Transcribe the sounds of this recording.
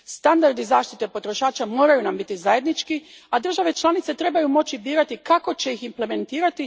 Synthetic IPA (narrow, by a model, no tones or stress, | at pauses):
st̪and̪aɾd̪izaːʃt̪it̪epo̞t̪ɾo̞ʃaːt͡ʃamo̞ːɾajunambit̪izaje̞d̪nit͡ʃkiad̪r̩ʒaʋe̞t͡ʃlˠaːnit̪se̞t̪ɾe̞bajumo̞t͡ʃibiːɾat̪ikako̞t͡ɕe̞iximple̞me̞nt̪iːɾat̪i